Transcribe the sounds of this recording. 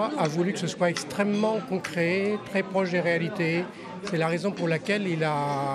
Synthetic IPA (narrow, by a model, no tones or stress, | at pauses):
avulykə̥səswaɛkst̪χɛmːɑ̃kɔ̃kχɛt̪χɛpχɔʃd̪eʁealit̪e | sɛlaʁezɔ̃puʁlakʲɛlila